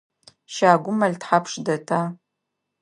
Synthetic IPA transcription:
ʃaːɡʷʊmɐɮtħapʂdɐtʰaː

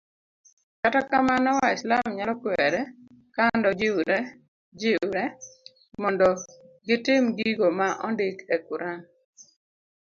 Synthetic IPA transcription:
katakamanɔwaɪslamɲalɔkwɛɾɛ | kandɔd͡ʒɪɾɛ | d͡ʒɪɾɛ | mɔndɔɡɪtɪmɡiɡomaʔɔndɪkɛkuɾan

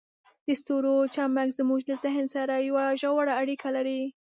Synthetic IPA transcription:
d̪̥əst̪oɾot͡ʃɑmakzmuʒlazɪɦnsaɾajawaʒawaɽaːɽikʰalaɾi

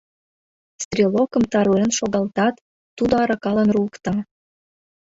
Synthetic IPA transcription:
st̪rʲilokə̆mt̪ɑɾuenʃoɣɑlt̪ɑt̪ː | ud̪oɑɾɑkɑlənruəkt̪ɑ

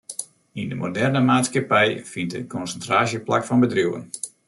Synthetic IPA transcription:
indəmo̰dɛrnəmaːtskapɛjfintə̰kɔnsəntraːsjəpla̰kfɔnbədruwə̰n

